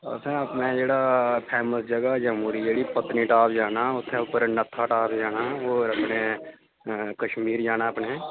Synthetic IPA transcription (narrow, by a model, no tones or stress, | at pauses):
ɔ̰sẽɐpnẽd͡ʒeːɽapʰɛːməsd͡ʒɐɡad͡ʒəmuːɾid͡ʒeːɽipət̪niʈaːpd͡ʒaːnaʊt̪ʰːẽʊpəɾnɐt̪ʰːaʈaːpd͡ʒaːnaoːɾɐpne | kəʃmiːɾd͡ʒaːnaɐpne